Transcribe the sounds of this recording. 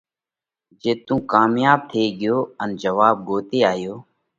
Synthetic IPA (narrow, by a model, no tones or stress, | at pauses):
d͡ʒeːt̪ũːkaːmjaːb̚t̪ʰeːɡɪjoːənd͡ʒəʋaːb̚ɡoːt̪eːaːjoː